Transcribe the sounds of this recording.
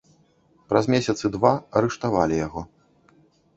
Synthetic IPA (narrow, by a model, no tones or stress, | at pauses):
pɾazʲmʲesʲɐt̪sɨd̪vaɐɾɨʂt̪avalʲijaɣɔ